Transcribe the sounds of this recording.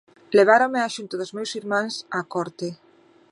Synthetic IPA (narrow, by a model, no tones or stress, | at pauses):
leβ̞aɾõmeaʃunt̪ʊðʊzmewsiɾmãŋsakɔɾt̪ɪ